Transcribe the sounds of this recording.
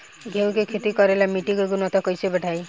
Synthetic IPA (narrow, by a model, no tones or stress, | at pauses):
ɡʱew̃kekʰet̪ikɔɾelamiʈiɡekunɔt̪ʰɔkɔjt͡ʃʰibɛʈʰaj